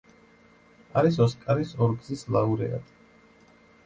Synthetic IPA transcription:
aɾis̬ɔskʼaɾisɔɾɡzislauɾɛ̰a̰d̪

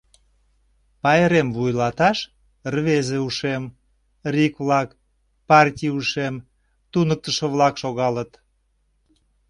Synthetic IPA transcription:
pɑjeɾemvujlɑt̪ɑʃ | rβezeuʃem | rʲikβlɑk | pɑrt̪ʲijuʃem | t̪unək̚t̪əʃə̆βlɑkʃoɣɑlət̪

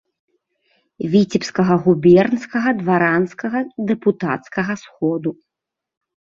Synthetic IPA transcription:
vʲit͡sʲipskɐɣɐɣubʲɛrnskɐɣɐd̪vaɾanskɐɣɐd̪ɛput̪at̪skɐɣɐsxɔd̪u

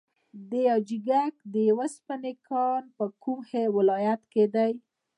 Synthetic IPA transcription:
d̪əjawd͡ʒiɡak̚d̪əjawəspanekʰɑnpəkumhewɪlɑjat̪ked̪aj

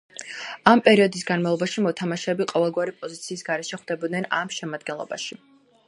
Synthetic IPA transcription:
ampʼɛɾiɔd̪is̬ɡanmavlˠɔbaʃimɔt̪ʰamaʃɛːbiqʼɔvɛlˠɡwaɾipʼɔzit̪sʰiːsɡaɾɛʃɛχwd̪̥ɛbɔd̪nɛnamʃɛmad̪̚ɡɛnlˠɔ̰ba̰ʃi

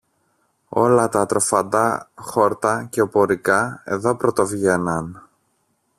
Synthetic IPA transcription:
o̞̰lɐt̪ɐt̪ɾo̞fɐnd̪ɐxo̞ɾt̪ɐce̞opo̞ɾikɐe̞ðo̞pɾot̪o̞vʝenɐn

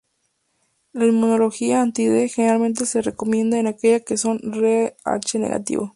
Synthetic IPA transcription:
laimunoloxiaːnt̪iðexeneɾalmẽnt̪̬eserekomjẽ̞nd̪aenakeʝakesonrea̰t͡ʃenḛɣa̰t̪ḭβo

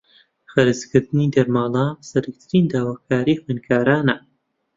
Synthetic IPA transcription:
χəɾɨzkɨɾd̪ɨniːd̪ɐɾmaːlˠɑːsɐɾak̚t̪ʰɨɾind̪aːwaːkʰaːɾiːxenkʰaːɾaːnɐ

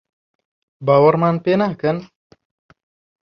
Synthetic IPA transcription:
bawarmanpenahkən

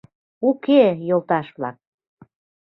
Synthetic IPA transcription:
ukejolt̪ɑʃβlɑ̰k̚

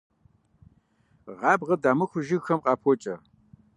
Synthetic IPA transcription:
ʁɑːbʁɐdaːmɨxʷʊʒɪɣxɐmqʼɑːpʰɔt͡ʃʼɐ

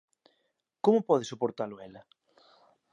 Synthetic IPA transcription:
komʊpɔð̞ɪsopoɾt̪alʊɛlɐ

